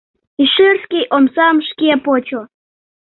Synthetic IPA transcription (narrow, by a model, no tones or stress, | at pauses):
iʃyrskʲijʔomsɑmʃkʲepot͡ɕo